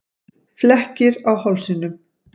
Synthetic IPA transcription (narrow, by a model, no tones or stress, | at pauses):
flɛhcɪɾawhawlsinːʏm